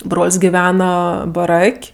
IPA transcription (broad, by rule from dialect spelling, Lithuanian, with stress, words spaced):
ˈbroːlʲsʲ ɡʲɪˈʋʲæːnɐ bɐˈrɐkʲ